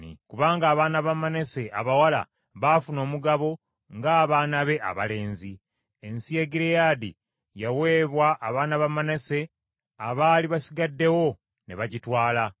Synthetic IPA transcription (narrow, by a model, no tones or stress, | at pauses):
nikuβaːŋɡaːβaːnaβamanese̞ʔa̰βawala̰ | βafuno̞ːmuɡaβo̞ | ŋɡaːβaːnaβe̞ʔa̰βa̰le̞ːnzi | e̞nsije̞ɡiɾejadḭ | jawe̞ːβwaʔːβaːnaβamanese̞ | aβaːliβasiɡadːe̞wo̞ | neβaɟitwaːla